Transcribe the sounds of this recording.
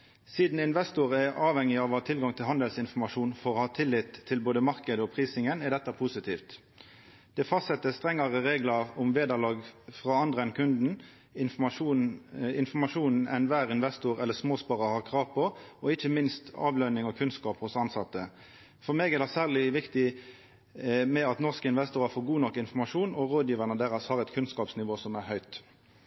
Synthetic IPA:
siːd̪n̩ɪnʋɛst̪ʊʁɛɑːʋhɛŋːɪɑʋɑt̪ʰɪlɡɑŋt̪ʰɪlɦɑnd̪əlsɪnfɔmɑʂuːnfɔʁɔːhɑːt̪ʰɪlːɪt̪ʰːɪlboːd̪əmɑʁkəd̪əɔpʰʁiːsɪŋənɛd̪ɛt̪ːɑpʰʊsɪt̪ʰiːft̪ | d̪̥ɛfɑst̪sɛt̪ːəst̪ʁɛŋːɑʁəʁeːɡlɑʊmʋeːd̪ɑlɑːɡfʁɑːɑnd̪ʁəɛnkʰʉnd̪n̩ | ɪnfɔmɑʂuːnn̩ʔɛ̰nʋæːʁɪnʋɛst̪uɾɛlːəsmoːspɑʁɑhɑːʁkʰʁɑːʋpʰɔɔɪçːəmɪnst̪ɑ̰ːʋlœnɪŋɔkʰʉnskɑːphʊsɑnsɑt̪ːə | fɔʁmeːɡæd̪æsæːʁlɪʋɪkt̪ɪ | mɛɑt̪nɔʁskəɪnʋɛst̪uːɾɑfoːɾɡuːnɔkːɪnfɔmɑʂuːnɔɾoːd̪jiːʋæʁnəd̪æːʁɑshɑːʁɛt̪kʰʉnskɑːpsnɪʋoːsɔmæʁhœʏt̪

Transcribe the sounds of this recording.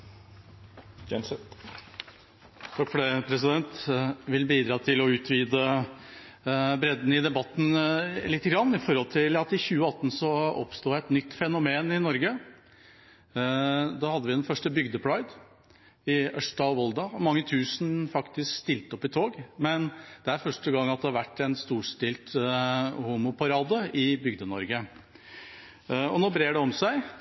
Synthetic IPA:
ɛst̪ | t̪ʰɑkfɔɖeːpʰɾɛsɪd̪ɛnt̪ʋɪlbiːd̪ɾɑːt̪ʰɪlɔʉːt̪ʰʋiːd̪ə | bɾɛd̪n̩ɪd̪ɛbɑt̪ːn̩lɪt̪ːəɡɾɑnːɪfɔɾhɔlt̪ʰɪlɑt̪ɪçʉːəɑt̪ːn̩sɔɔ̰pst̪uːæɛt̪nʏt̪ːfɛnʊmeːnɪnɔɾɡə | d̪ɑːhɑd̪ːəʋɪd̪ɛnfœʂʈəbʏɡd̪əpʰɽɑɡd̪ | ɪʔœʂt̪ɑʋɔld̪ɑmɑŋːət̪ʰʉːsnfɑkt̪ɪskst̪ɪlt̪əɔpːɪt̪ʰoːɡmɛnd̪̥ɛæɾfœʂʈəɡɑŋːɑt̪̚d̪ɛhɑɾʋæʈːɛnst̪uːʂʈ̪ɪlt̪ | huːmʊpɑɾɑːd̪əɪbʏɡd̪ənɔ̰ɾɡə | ɔnoːbɾeːɖɛɔmsæɪ

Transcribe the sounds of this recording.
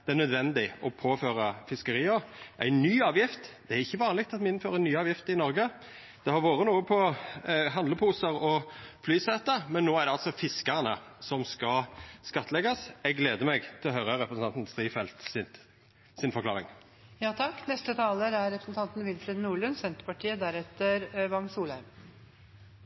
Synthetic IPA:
d̪̥ɛænœd̪ʋɛnd̪ɪɔpʰoːføːɾɑfɪskəɾiːəɾʔæ̰ɪnyːɑːʋjɪft̪d̪̥ɛæɾɪçːəʋɑːnlɪk̚t̪ɑt̪mɪɪnføːɾəɾænːyːɑːʋjɪft̪ɪnɔɾɡə | d̪̥ɛhɑɾʋoːɾənuːəpʰɔɦɑnd̪ləpʰuːsəɾɔflyːsɛːt̪əmɛnːoːæɾɖ̪ɛɑlsɔfɪskəʁnəsɔmskɑskɑt̪ʰːəlɛɡɑsɛɡleːd̪əmɛɡt̪ʰɪlɔɦœʏɾəɾɛpɾəsɑnn̩st̪ʁiːfɛlt̪sɪ | sɪnfɔɾkʰlɑːɾɪ̰ŋ | jɑːt̪ʰɑkːnɛst̪ət̪ʰɑːləɾæɾɾɛpɾəsn̩t̪ɑnt̪n̩ʋɪlfɾɪd̪nuːɭʉnsɛnt̪ɾəpɑʈʰiːəd̪æɾɛt̪əɾʋɑŋsuːlæm

